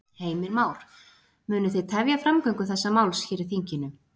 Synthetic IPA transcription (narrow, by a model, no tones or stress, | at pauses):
heːjmɪɾmaːwɾ̥ | mʏːnʏθeðt̪ʰɛvjafɾamkœjŋkʏθɛsːamawlsçɛːɾɪ̥θiɲcɪnʏ